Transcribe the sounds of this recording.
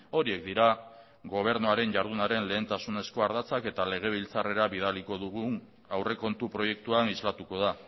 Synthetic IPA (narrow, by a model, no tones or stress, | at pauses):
o̞ɾie̞k̚d̪iɾa | ɡo̞β̞e̞ɾnuaɾe̞nʝaɾðunaɾe̞nle̞ːnt̪asune̞sko̞aɾð̞at͡sake̞t̪ale̞ɣ̞e̞β̞ilt͡sare̞ɾaβið̞aliko̞ðuɣ̞un | awre̞ko̞nt̪upɾo̞je̞k̚t̪uanizlat̪uko̞ð̞a